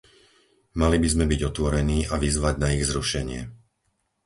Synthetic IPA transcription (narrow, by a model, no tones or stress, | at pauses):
malibizmɛbiɟɔt̪ʋɔɾɛniːʔaʋizʋaɟnaiɣzɾuʃɛɲɪɛ̰